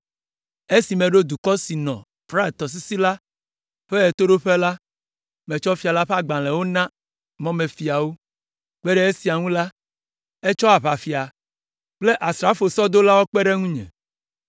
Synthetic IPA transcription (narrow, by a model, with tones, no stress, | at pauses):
e˦si˨mẽ˨ɖo˦d̪u˨kɔ˦si˨nɔ̰̃˨ | fɾa˦e˨t̪ɔ˨s̬i˦si˦la˦ | ɸe˦e˨t̪o˦ɖo˦ɸe˦la˦ | mẽ˨t͡ʃɔ˦fi˨a˨la˦ɸe˦a˨ɡ͡bã˨lẽ˨wo˦nã˦ | mɔ̃˦mẽ˨fi˨a˨wo˦ | k͡pe˦ɖe˦e˦si˨a˨ŋũ˦la˦ | e˦t͡ʃɔ˦a˨βa˨fi˨a˨ | k͡ple˦ʔa˨sɾa˦fo˨sɔ˦d̪o˦la˦wo˦k͡pe˦ɖe˦ŋũ˦ɲɛ̰̃˨